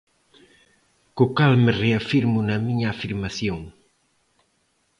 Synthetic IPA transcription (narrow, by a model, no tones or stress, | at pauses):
kokalmereafiɾmʊnɐmiɲaːfiɾmaθjoŋ